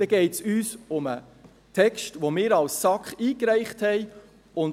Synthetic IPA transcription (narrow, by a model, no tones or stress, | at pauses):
dɛɡ̥ɛɪtsyːsʊmə̰ | tʰɛkʃtʋomɪːɾɑlsːɑkχiːkɾæɪχthɛɪ | ʊn